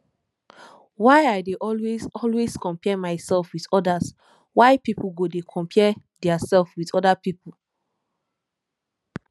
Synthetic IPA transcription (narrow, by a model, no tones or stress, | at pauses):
wajajdeʔɔlwesɔlweskɔ̃mpɛmaɪsɛlfwidɔdas | waɪpipuɡodekʰɔ̃mpʰɛdɛasɛlfwiθɔdapipl